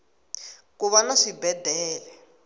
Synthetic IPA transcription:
kuβanaʂibɛdʱɛːlɛ

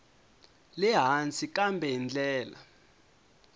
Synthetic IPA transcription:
lɛɦant͡sʰʼikambʱɛɦind͡ɮɛːla̰

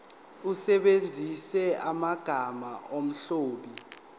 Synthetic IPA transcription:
usɛɓend͡zʱisɛamaɡ̥ʱamaʔom̩ɬoːɓi

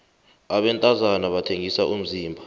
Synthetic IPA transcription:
aɓɛntʼazanaɓatʰeŋisaʔum̩ziːmbʱa

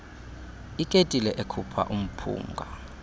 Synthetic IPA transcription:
ikʼetʼilɛʔekʰupʰa̰ʔum̩pʰṵːŋɡʱa

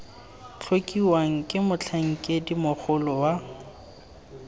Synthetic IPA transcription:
t͡ɬʰokʼiwaŋ̩kʼɪmʊt͡ɬʰaŋ̩kʼɪdimʊk͡xʰʊlɔwa

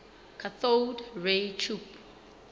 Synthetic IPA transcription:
kʰaθowdɹetʰup

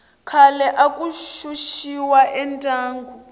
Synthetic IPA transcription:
kʰalɛʔakʼuʃuʃiwaʔɛntʼaːŋɡu

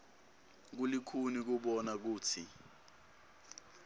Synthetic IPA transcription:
k̬ulikʰunik̬uɓɔnak̬uːt͡sʰi

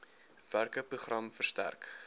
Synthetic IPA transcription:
værkəpɾuχrɐmfərstæ̰rk

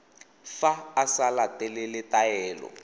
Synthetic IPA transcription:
faːsalatɛlɛlɪtaɛːlɔ̰

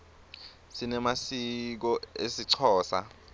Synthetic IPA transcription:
sinɛmasik̬ɔesiǀʰɔːsa̰

